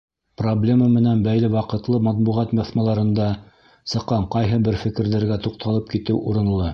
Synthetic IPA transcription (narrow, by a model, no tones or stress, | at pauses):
problʲe̞məmɘ̆nænbæjlɘwɑqɤ̆t̪lˠɤmɑt̪̚buʁɑt̪mɤ̆θmɑlˠɑɾɤ̆nd̪ɑ | sɤ̆qːɑɴqɑjɦɤbɘɾfɘ̆kɘ̆ɾðɘ̆ɾɡæt̪uqt̪ʰɑlˠɤp̚kit̪ɘwʔuɾɤ̆nlˠɤ